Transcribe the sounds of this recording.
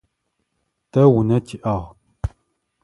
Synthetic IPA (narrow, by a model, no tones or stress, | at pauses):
tɐwunɐtʰiʔɐʁ